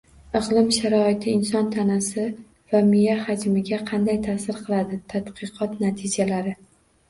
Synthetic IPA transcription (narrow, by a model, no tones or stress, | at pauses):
ɨʁlˠɪmʃaɾɒɪt̪ʰɪɪnsɒnt̪ʰanasɪ | vamɪjahad͡ʒmɪɡʲaqʰɑnd̪ajt̪ʰasɪɾqʰɨlˠad̪ɪt̪ʰat̪qʰɨqʰɒt̪nat̪ʰɪd͡ʒalaɾɪ